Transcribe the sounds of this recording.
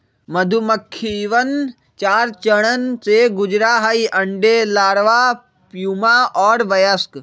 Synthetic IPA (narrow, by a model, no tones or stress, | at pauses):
mɐd̪ʱuməkʰːiʋən | t͡ʃaːɾt͡ʃəɽ̃ənt͡seɡʊd͡ʒɾaːɦaiʔɐɳɖeːlaːɽʋaː | pjumaʔɔːɾʋɐjəsk